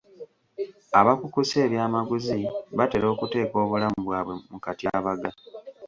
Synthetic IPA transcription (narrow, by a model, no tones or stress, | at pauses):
aβakukuse̞ːɾjaːmaɡuziβate̞lo̞ːkute̞ːko̞ːβulamuβwaːβwe̞mukatjaβaɡa